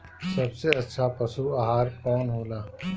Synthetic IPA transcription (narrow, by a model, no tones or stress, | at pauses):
sɐbseɐtːʃʰapɐsuaɦaːɾkɔːnɦoːlaː